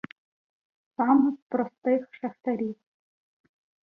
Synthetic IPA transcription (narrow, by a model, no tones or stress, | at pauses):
sɑmɪspɾɔst̪ɪxʃɐxt̪ɐɾʲiw